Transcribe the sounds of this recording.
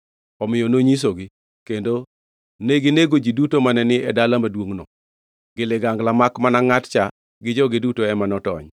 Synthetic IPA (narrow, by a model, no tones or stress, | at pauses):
ɔmɪjonoɲis̬oɡɪ | kendo | neɡɪneɡod͡ʒidutomanɛnɪɛdalamadwoŋnɔ | ɡɪlɪɡaŋɡlamakmanaŋatt͡ʃa | ɡɪd͡ʒɔɡɪdutoɛmanɔtɔ̰ɲ